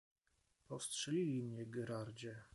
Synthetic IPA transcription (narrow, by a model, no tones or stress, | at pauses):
pɔfstʂɛlʲilʲimɲɛɡɛɾaɾd͡ʑɛ